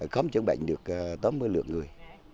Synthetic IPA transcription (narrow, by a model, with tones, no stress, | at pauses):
xə˧wŋ͡mt͡ɕə̰˧˦ŋɓa̰˧˨jŋ̟ɗɨ˨˩ək̚ːt̪aː˨˦mɨ˧əjlɨ̰˧˨əŋŋɨ˨˩əj